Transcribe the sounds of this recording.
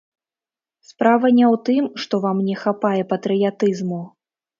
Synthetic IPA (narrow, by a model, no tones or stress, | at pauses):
spɾavɐnʲɛwt̪ɨmʂt̪ɔvamnʲɛxapajɛpɐt̪ɾɨjat̪ɨzmu